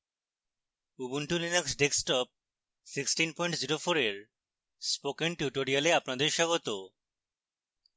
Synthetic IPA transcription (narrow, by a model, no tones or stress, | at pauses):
ubunʈulinaksɖeksʈɔp̚ | siksʈinpɔiɳʈd͡ʑiɾofoɾeɾ | spokenʈjuʈoɾialeapnad̪eɾʃɔɡot̪o